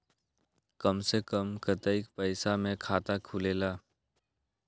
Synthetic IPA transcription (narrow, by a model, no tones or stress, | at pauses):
kəmsekəmkət̪əɪkpəɪsamẽkʰaːt̪akʰuleːlaː